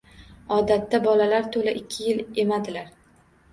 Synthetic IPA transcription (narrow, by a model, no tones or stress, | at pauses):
ɒd̪at̪ːabɒlalaɾt̪ʰolaʔɪkʲʰːɪjɪle̞mad̪ɪlaɾ